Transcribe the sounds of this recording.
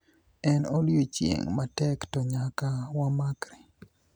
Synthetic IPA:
ɛnoljot͡ʃjḛŋmatɛktɔɲakawamakɾi

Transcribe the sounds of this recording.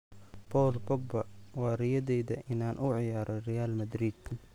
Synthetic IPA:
bʰɔːlbɔɡ̚bɐwɑːrɪjɐðɛjðɐʔɪnaːnʔʊʕɪjaːɾʔɔrɛjaːlmɐd̪ɾid̪

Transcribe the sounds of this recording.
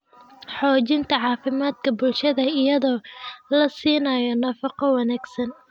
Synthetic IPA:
ħɔːt͡ʃɪnt̪ʰɐʕɑːfɪmaːd̪kʰɐbʊlʃɐðɐɪjɐðɔːlɐsiːnɐjɔnɐfɑqɔwɑnaːɡsɐn

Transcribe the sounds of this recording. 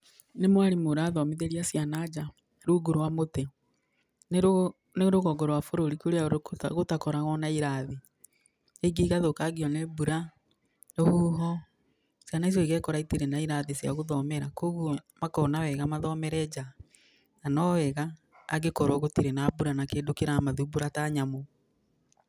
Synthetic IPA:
nemwaɾimoɾaːðɔmeðeɾiasjanad͡ʒa | ɾuɡoɾowamotɛ | n | neɾoɣɔɡɔɾwafoɾoɾikoɾeaɾɣotakɔɾaɣɔnaiɾaðe | eɡeiɣaðokaɡiɔnebuɾa | nohuːɦɔ | sjanais̬jɔeɣɛkɔɾaitiɾenaiɾaðesja̰ɣoðɔmɛɾakoɣuɔmakɔːnawɛɣamaðɔmɛɾɛd͡ʑa | nanɔɛɣa̰ː | ɡekɔɾwɔɣotiɾenaːbuɾanakeːdokeɾamaðubuɾataɲamo

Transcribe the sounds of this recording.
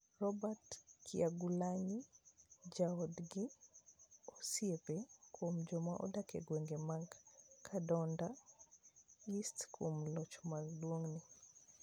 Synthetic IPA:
rɔbatkʰiaɡulaɲi | d͡ʒaɔdɡi | ɔsiepekʰwomd͡ʒɔma̰ʔɔ̰dakɛ̰ɡweŋɡemaŋkkʰadɔnda | istkʰomlɔt͡ʃmardwoŋnɪ

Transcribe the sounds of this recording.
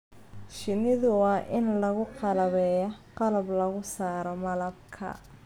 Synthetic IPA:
ʃɪnɪðʊwɑʔɪnlɐɣʊqɑlɐβɛːjɔqɑlɐblɐɣʊsaːɾɔmɐlɐb̚kʰɐ̰

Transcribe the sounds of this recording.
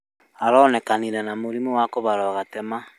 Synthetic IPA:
aɾɔnɛkaniɾɛnamoɾimuwakɔβaɾɔɣatɛma

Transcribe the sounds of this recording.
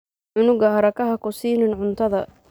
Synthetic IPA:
ʕʊnʊɡɐhɐɾɐkɐɦɐkʊsiːnɪnʕʊnt̪ʰɐðɐ

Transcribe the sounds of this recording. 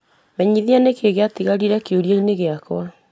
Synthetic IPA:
mɛɲiðianekeɣeatiɣaɾiɾɛkeoɾjaineɣeakw̰a

